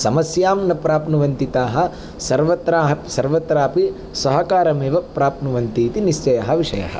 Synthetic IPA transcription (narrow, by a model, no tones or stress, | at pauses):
sɐmɐsjaːmnɐpɾaːpnuʋɐnt̪it̪aːɦɐ̆ | sɐɾʋɐt̪ɾaːɦɐpsɐɾʋɐt̪ɾaːpi | sɐɦɐkaːɾɐmeːʋɐpɾaːpnuʋɐnt̪iːt̪iniʃt͡ʃɐjɐɦɐʋiʂɐjɐ̰ɦɐ̰̆